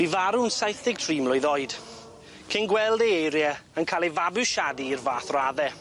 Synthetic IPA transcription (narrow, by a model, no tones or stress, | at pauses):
mivaɾʊnsajθɪɡ̚tʰriːmlˠʊɨðɔɨd̥ | kʰɪnɡwɛlˠdejejɾjɛənkʰaːlˠivabɪʃadiːrvaːθraðɛ